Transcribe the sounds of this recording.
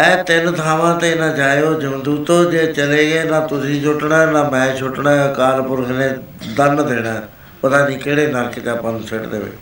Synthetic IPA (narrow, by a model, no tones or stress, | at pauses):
ɛːt̪ɪnt̪ʰaːʋãːt̪eːɪnãːd͡ʒaːeoːd͡ʒəmd̪uːt̪oːd͡ʒeːt͡ʃəleːɡeːnãːt̪ʊsĩːt͡ʃʊʈɳãːɛnãːmɛ̃ːt͡ʃʰʊʈnãːkaːɾpʊɾkʰneːd̪ənd̪eːɽ̃aː | pət̪ãːd͡ʒiːkeːɽeːnəɾkeːt̪aːpə̃nd͡ʒsɪʈd̪ḛːʋɪ̰t͡ʃ